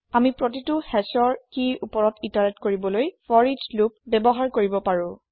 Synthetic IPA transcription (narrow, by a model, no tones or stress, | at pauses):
amipɹotitʊhɛsɔɹkiupɔɹɔtitanɛtkoɹibɔlojfʰɔɹid͡ʒlupbɛbɔɦaɹkoɹibɔpaɹʊ̃